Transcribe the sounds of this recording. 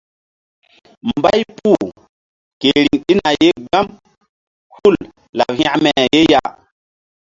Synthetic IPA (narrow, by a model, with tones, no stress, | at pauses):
mba˦jpu˦˨ | ke˨ɾi˨ŋɗi˦na˨je˦ɡa˦m | hu˦˨l | la̰˨p̚hĩ˦ʔmɛ˨je˦ja˨